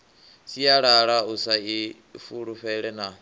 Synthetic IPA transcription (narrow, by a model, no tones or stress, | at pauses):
siaɺaɺausai | fuɺuɸɛɺɛna